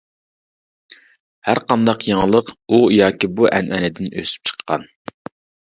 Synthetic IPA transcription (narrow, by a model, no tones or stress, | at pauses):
hæɾqɑnd̪ɑqjɑŋlˠəqujɑːkʲibuʔɛnʔɛnɪd̪ɪnʔø̰sy̥p̚t͡ʃʰə̥qʰːɑ̰n